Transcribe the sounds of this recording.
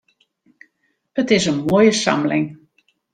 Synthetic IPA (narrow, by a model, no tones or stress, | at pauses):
ətɪsənmoːjəsa̰mlɪ̰ŋ